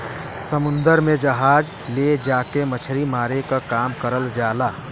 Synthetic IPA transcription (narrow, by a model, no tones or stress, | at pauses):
səmʊ̃nd̪əɾmẽd͡ʒəɦaːd͡ʒ | led͡ʒaːkemət͡ʃʰɾimaːɾekakaːmkəɾəld͡ʒaːlaː